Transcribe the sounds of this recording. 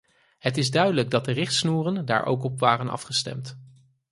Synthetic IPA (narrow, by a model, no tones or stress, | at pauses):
ɦətɪzdœɥdələɡ̚dɑt̚dərɪχtsnuːrənda̰ːɹʔo̰wkɔpʋaːrənɑ̰fχəstɛ̰mt